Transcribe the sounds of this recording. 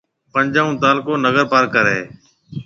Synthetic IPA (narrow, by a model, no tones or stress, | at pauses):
pəɲd͡ʒaːũːt̪aːlkoːnəɣəɾpaːɾkəɾeː